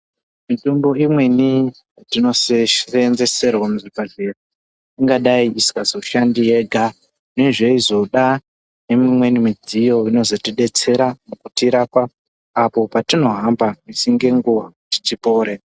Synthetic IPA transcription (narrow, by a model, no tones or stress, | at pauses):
mitumbo̞imwe̞ni | atino̞serenze̞se̞rwamuʐipaɮera | iŋɡaɗaiisi̥kazouʃandije̞ɡʱa | neʐe̞izo̞ɗa | nemimwe̞nimid͡zijo̞ʋino̞zo̞tiɗe̞t͡se̞ɾamukutiɾapaː | po̞patino̞ɦambamisiŋɡe̞ŋɡuwati̥tipo̞ːɾe